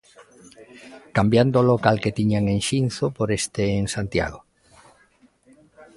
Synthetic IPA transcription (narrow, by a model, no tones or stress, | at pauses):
kambjand̪olokalket̪iɲaŋẽŋʃin̟θopoɾest̪eːŋsant̪ja̰ɣo